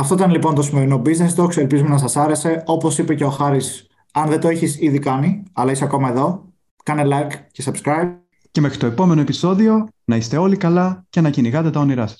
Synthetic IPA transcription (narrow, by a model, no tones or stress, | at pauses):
ɐft̪oit̪ɐnlipo̞nt̪o̞sime̞ɾino̞biznesd̪okselpizumenɐsɐsɐɾe̞se̞o̞po̞sipe̞ceoxɐɾis | ɐnðet̪oeçisiðikɐniɐlɐiseɐko̞mɐe̞ðo̞ | kɐne̞lɐjkcesɐbskɾɐjb | ce̞me̞xɾit̪o̞e̞po̞me̞no̞e̞piso̞ðio̞nɐist̪e̞o̞likɐlɐcenɐciniɣɐt̪e̞t̪ɐoniɾɐsɐ̥s